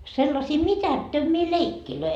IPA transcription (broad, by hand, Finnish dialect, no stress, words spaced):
selːɑsiː mitætːømːiː leikːiløi